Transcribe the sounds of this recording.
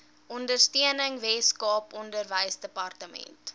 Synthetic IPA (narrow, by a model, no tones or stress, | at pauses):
ɔndərstiənəŋvɛskɑːpɔndərvəjsdəpɐrtəmɛ̰nt